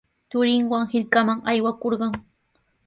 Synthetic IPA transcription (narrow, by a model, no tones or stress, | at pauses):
t̪ʊɾɪŋwaŋhɪɾkamaŋajwakoɾɢɑŋ